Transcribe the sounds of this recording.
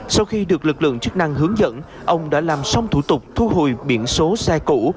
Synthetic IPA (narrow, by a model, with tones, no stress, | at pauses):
sa˧wxi˧ɗɨ˨˩ək̚lɨ˨˩k̚lɨ̰˧˨əŋt͡ɕɨ˦˥k̚na˧ŋɦɨ˨˦əŋzə̰˧˥n | ʔə˧wŋ͡mɗa̰ː˧˥laː˨˩msa˧wŋ͡mt̪ʰu˧˩t̪ʊ˨˩k͡p̚t̪ʰu˧ɦo̰˨jɓi˧˩ənso˨˦sɛ˧kṵ˧˥